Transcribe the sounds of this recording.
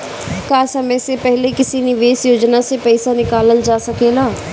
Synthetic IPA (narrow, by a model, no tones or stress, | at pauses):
kaːsɐməjsepɛɦlekɪsinɪʋeːsjoːd͡ʒnasepɛɪsanɪkaːləld͡ʒaːsɐkeːɡaː